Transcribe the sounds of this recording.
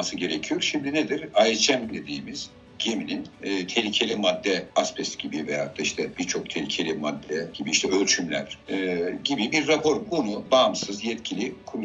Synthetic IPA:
asɯɟe̞ɾecʰijo̞ɾʃimd̪ined̪iɾajet͡ʃʰæmd̪e̞d̪iːmiz̥ | ɟemininːt̪ʰe̞lʲicʰe̞lʲimad̪ːɛaspʰɛsɟ̥ibiveja̰ːt̪ːaiʃt̪ʰɛb̥iɾt͡ʃʰo̞k̚t̪ʰelʲicʰe̞lʲimad̪ːɛɟ̥ibiiʃt̪ʰɛø̞lʲt͡ʃʰymlʲæ̰ɾ̥ɟibibiɾːapʰo̞ɾbunubaːmsɯzjɛt̪cʰilʲikʰuɾ

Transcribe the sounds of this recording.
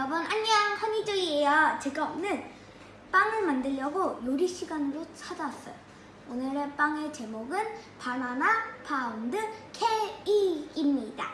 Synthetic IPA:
ʌbʌnaɲːahamid͡ʑɯiejʌt͡ɕeɡaʌmnɯn | p͈aŋɯɭmandɯɭjʌɡojoɾiɕʰiɡanɾot͡ɕʰad͡ʑas͈ʌjo | onɯɾep͈aŋet͡ɕe̞moɡɯnpananapʰaundɯkʰeiimɲida

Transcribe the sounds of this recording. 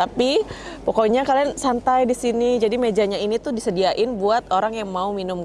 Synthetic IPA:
apipɔkoiɲakaliansant̪ajdisinid͡ʒadimed͡ʒaɲainit̪ʊdisədiaʔɪnbuat̪̚oɾaŋjaŋmauminʊm

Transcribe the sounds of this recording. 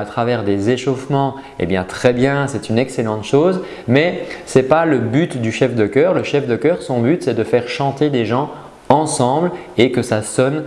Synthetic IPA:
at̪χavɛʁd̪ezeʃofmɑ̃ | ḛbjɛ̃t̪χɛbjɛ̃sɛt̪ynɛkselɑ̃t̪ʃoːz | mɛsɛpaləbyt̪d̪yʃɛfd̪əkʲœːʁləʃɛfd̪əkʲœːʁsɔ̃byt̪sɛd̪əfɛʁʃɑ̃t̪ed̪eʒɑ̃ | ɑ̃sɑ̃bl | ekəsasɔn

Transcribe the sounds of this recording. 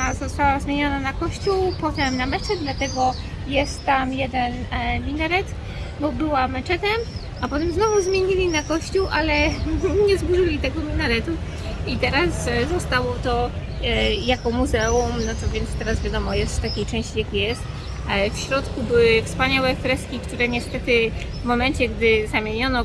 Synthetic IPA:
azɔst̪awazmʲjeɲɔnanakɔɕt͡ɕuwpɔt̪ɛmnamɛt͡ʂɛd̪lat̪ɛɡɔ | jɛst̪ːamjɛd̪ɛnmʲinaɾɛt̪ | bɔbɘwamɛt͡ʂɛt̪ɛm | apɔt̪ɛmznɔvuzmʲjeɲilʲinakɔɕt͡ɕuwʔalɛɲɛzbuʐɘlʲit̪ɛɡɔmʲinaɾɛt̪u | it̪ɛɾaszɔst̪awɔt̪ɔ | jakɔmuzɛumnɔt̪ɔvʲjɛnst̪ɛɾasvʲjad̪ɔmɔjɛst̪t̪akʲejt͡ʂɛ̃w̃ɕt͡ɕijakʲijɛst̪ | fɕɾɔt̪kubɘwɘfspaɲawɛfɾɛst̪kʲikt̪uɾɛɲɛst̪ɛt̪ɘ | vmɔmɛnt͡ɕɛɡd̪ɘzamʲjeɲɔnɔ

